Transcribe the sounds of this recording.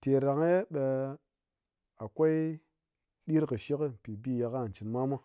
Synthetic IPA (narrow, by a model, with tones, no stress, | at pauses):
te˨ɾa˨ŋe˦ɓe˧ | a˨kʷo˦i˦ | ɗi˦ɾkɨ˨ʃi˦kɨ˦m̩˨pi˨bi˦˨ja˧ka˦˨n˨t͡ʃi˨nma˦ma˦